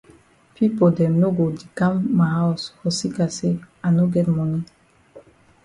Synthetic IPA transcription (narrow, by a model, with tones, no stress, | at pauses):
pi˦po˨dɛ˨mno˦ɡo˨di˨ka˦mːa˨ha˦ɔ˨shɔ˨si˦ka˨se˦ | a˨no˦ɡɛ˦t̚mɔ˨ni˦